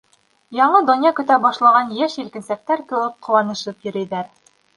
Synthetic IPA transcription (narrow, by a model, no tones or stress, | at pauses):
jɒɴɤd̪ŏnjɑkɵ̆t̪æbɒʃlˠɑʁɑnjæʃilkɘ̆nsæk̚t̪æɾkɵ̆lɤp̚qʰŏwɑnɤ̆ʃɤpjɵ̆ɾɘ̆jðæɾ